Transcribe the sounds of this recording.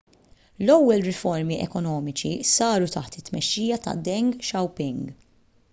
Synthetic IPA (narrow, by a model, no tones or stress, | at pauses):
lɔwːɛlɾɪfɔɾmiʔɛkɔnɔːmɪt͡ʃḭsɐːɾut̪ɐħt̪ɪt̪ːmɛʃːiːjɐt̪ɐ̰d̪ɛŋɡʃɐwpɪŋɡ